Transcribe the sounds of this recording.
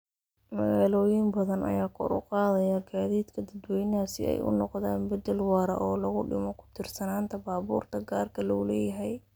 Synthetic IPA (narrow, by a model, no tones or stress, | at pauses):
mɐ̰ɣaːlɔːjɪmbɐðɐnʔɐ̰jaːkʰɔ̰ɾʊ̰qɑːðɐjɐɡaːðiːd̪kʰɐd̪ɐd̪wɛjnaːsɪ̰ɛ̰jʔʊ̰nɔqða̰ːnbɐd̪ɛlwɑːɾɐ̰ʔɔːlɐɣʊɖɪmɔkʰʊ̥t̪ʰɪrsɐnaːnt̪ʰɐbaːβṵːrt̪ʰɐɡaːrkʰɐlɔlɛːjɐɦɛj